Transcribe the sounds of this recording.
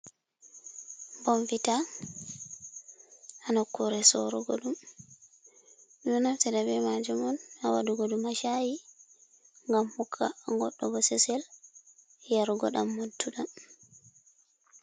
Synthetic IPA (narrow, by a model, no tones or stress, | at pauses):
mbɔnvita | anakːuɾɛsɔɾɔ̰ɡɔ̰ɗum | ɗunamtɛdabɛmad͡ʒumɔnawaduɡɔdumaʃaji | ŋɡamhukʰːa̰ŋɡɔɗːɔɡɔsɛsɛl | jaɾɡɔɗamːoduɗan